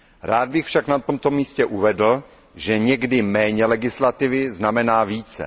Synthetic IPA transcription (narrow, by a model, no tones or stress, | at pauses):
ɾaːd̪̚bɪxfʃaknat̪omt̪o̞miːscɛʔuvɛdl̩ | ʒɛɲɛɡdɪmɛːɲɛlɛɡɪslat̪ɪvɪznamɛnaːviːt͡sɛ̰